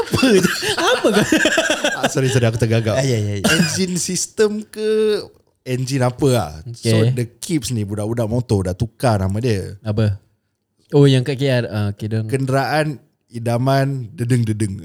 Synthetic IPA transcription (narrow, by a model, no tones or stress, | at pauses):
apəd͡ʒəapəka | asɔɾisɔɾiakut̪əɡaɡaajajaɛnd͡ʒinsist̪əmkə | ɛnd͡ʒinapəa̰hsodəkʰip̚snĩbudaʔudaʔmɔnt̪ɔdaʔt̪ukanamãdiəabə | ojaŋkaʔkiat̪̚aokedəŋkəndəɾaʔan | idamandədəŋdədəŋ